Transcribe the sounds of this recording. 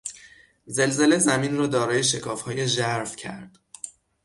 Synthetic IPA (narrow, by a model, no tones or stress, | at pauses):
ze̞lze̞le̞zæmiːnrɒːd̪ɒːɾɒːje̞ʃe̞kʰɒːfhɒːjeʒæɾfcʰæ̰ɾd̪̥